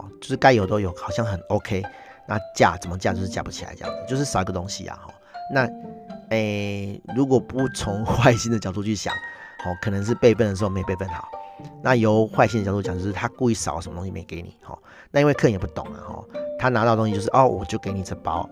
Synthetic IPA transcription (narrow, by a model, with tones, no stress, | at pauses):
t͡ɕjo˥˧ʊʂ̩˥˩ka˥ɪjo˨˩ʊt̪o˦ʊjo˨˩ʊxɑ˨˩ʊɕja˥˨ŋxə˨˩no˦ʊkʰe˦ɪ | na˥˧t͡ɕja̰˥˩t͡sə˨˩mə˦t͡ɕja˥˧˩t͡ɕo˥˧ʂ̩˥˧t͡ɕa˥˩pu˧˥t͡ɕʰi˨la̰˨˧˦t͡ɕj̰ə˨˩t͡ɕjʂɻ̩˥˩sɑ˨˩i˧ɡə˨˩t̪o˦ŋɕḭ˧a̰˨xɔ̰˥˩na˥˨e˥˩lu˧˦kwɔ˨˩pu˥˧t͡sʰo˧˦ŋxwa˥˧˩ɪɕi˥˧nd̪ə˨t͡ɕjɑ˨˩ʊt̪̬u˥˧t͡ɕʰy˥˩ɕja̰˨˩˦ŋ | hɔ˥˩kʰə˨˩nə˧˦ŋʂ̬̩˥˧pe˥˧ɪfə˥˩nə˩ʂ̬̩˧˥o˥˧˩me˧˥˦pe˥˧fə˥˩nxɑ̰˨˩˦na˥˨jo˨˦ʊxwa˥˧ɪɕi˥ndə˩t͡ɕʊt̪u˥t͡ɕt͡ɕo˥˧ʂ̩˥t̪ʰa˦ku˥˧i˥˩sɑ˨˦˨ə˧˦m˨ə˩t̪o˥ŋɕi˧mḛ̃˧˥˨ke˧˦ɪnḭ˨˩hɔ̰˥˩ | na˥˧i˦nwe˧kʰjpu˥˩t̪ʊ˨˩ŋa̰˨xɔ̰˨˩t̪ʰa˦na˨˧˥t̪ɑ˥˩˨t̪o˧˥ŋɕi˧jo˥˧ʊʂɻ̩˥˨ʔɔ˥˩wʔɔ˨˩t͡ɕjo˥˩ʊke˧˥ɪni˨˩t͡sə˧pɑ̰˦˥ʊ